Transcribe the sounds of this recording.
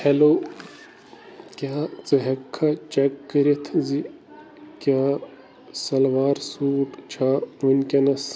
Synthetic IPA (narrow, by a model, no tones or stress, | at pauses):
heloː | kʲjaːt͡sɨɦɐkʰːɐt͡ʃɐkːɐɾet̪ʰzi | kʲjaː | sɐlʋaːɾsuːʈt͡ʃʰaʋunʲkʲɐnɐs